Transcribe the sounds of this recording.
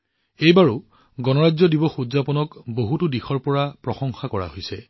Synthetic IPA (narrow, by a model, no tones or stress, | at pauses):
ejbaɹʊ | ɡɔnɔɹazɔdibɔxuzapɔnɔkboɦutʊdixʰɔɹpɔɹapɹɔxɔŋxakɔɹa̰ɦojsɛ